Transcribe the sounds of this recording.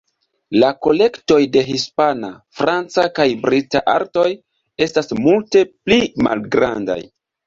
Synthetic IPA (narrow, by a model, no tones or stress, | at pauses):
lako̞le̞kto̞jde̞ɦispanafɾant͡sakajbɾitaʔa̰ɾto̞j | e̞stasmulte̞plima̰lɡɾa̰nda̰j